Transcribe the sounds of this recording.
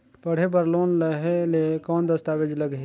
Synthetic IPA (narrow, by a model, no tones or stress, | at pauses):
pəɽ̤ebəɾloːnləɦelekɔːnd̪əst̪aːʋed͡ʒləɡɦe